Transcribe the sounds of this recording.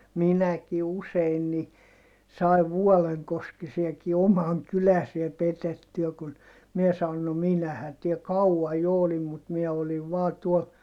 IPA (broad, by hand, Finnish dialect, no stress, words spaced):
minæki usein ni sɑi̯ʋ ʋuɔleŋkoskisiɑki omɑŋ kylæsiæ petetːyæ kun miɛ sɑon no minæhæn tiel kɑuɑj jo olim mut miɛ oliʋ ʋɑː tuol